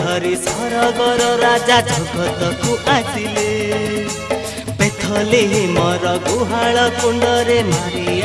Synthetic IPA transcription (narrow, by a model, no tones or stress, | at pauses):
ʌɾisɔɾɔɡɔɾɔɾad͡ʒad͡ʒʱɔɡʱɔt̪ɔkuʔasile | pet̪ʰɔleɦmɔɾɔɡuɦaɭɔkuɳɖɔɾemaɾij